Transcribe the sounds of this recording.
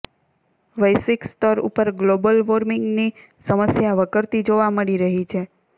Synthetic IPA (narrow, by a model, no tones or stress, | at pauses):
ʋəjsʋikst̪ɔɾṵpəɾɡlobəlʋoɾmiŋɡni | səməsjaʋəkəɾt̪id͡ʒoʋaməɭiɾəɦit͡ʃʰe